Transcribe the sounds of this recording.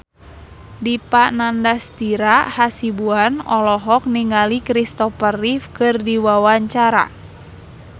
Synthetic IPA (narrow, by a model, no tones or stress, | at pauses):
dipanandast̪iɾahasibuanɔlɔɦɔk̚niŋalikɾist̪ɔfərifkɨrdiwawaɲt͡ʃaɾa̰